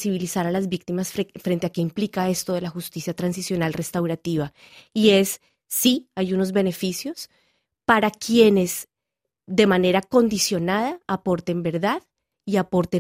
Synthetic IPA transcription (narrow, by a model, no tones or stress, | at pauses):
siβilisaɾalazbik̚t̪imasffɾe̞nt̪e̞ake̞implikae̞st̪oðe̞laxust̪isjat̪ɾans̬isjo̞nalre̞st̪awɾat̪iβa | ie̞sː | iajuno̞zbe̞ne̞fisjo̞s | paɾakje̞ne̞z | d̪e̞mane̞ɾako̞nd̪isjo̞naðaːpo̞ɾt̪e̞mbe̞ɾðað | iapo̞ɾt̪e